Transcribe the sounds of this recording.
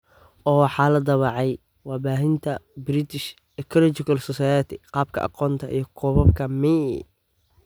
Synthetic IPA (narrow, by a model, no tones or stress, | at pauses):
ɔːwɑħɑːlɐd̪ɐβɑʕɛj | wɑːbaːɦɪnt̪ʰɐbɾɪt̪ʰɪʃ | ɛkʰɔlɔt͡ʃɪkʰɐlsɔsajɛt̪ʰɪqɑːb̚kʰɐ̰ʔɑ̰qɔːnt̪ʰɐʔḭjɞkʰɔːβɐbkʰɐmi